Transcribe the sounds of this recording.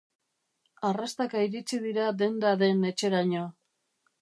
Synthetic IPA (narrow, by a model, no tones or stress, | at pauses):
arast̪akaiɾit͡sið̞iɾad̪e̞nd̪aðe̞ne̞t͡ʃe̞ɾaɲoa